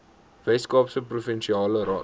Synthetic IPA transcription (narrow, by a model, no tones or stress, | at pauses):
vɛjskɑːpsəprufɛnʃiɑːləɾɑː